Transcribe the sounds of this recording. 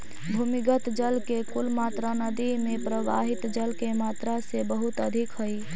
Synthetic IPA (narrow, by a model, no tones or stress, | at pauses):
bʱumiɡət̪d͡ʒəlkekulmat̪ɾanəd̪imẽpɾəʋa̰ɦit̪d͡ʒəlkemaːt̪ɾasebəɦut̪əd̪ʱikɦəi